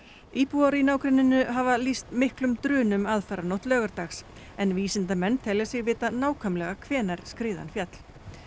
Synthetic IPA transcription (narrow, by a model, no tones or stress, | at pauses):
iːpuaɾinaːwkɾɪnːɪnʏɦavalist̪mɪhklʏmt̪ɾʏːnʏmaðfaɾanɔht̪lœːɣaɾt̪axs | ɛnviːsɪnt̪amɛnːt̪ʰɛlasɪɣvɪːt̪anaːwkʰœmlɛɣakʰv̥ɛːnaɾ̥skɾɪːða̰nfjat̪l̥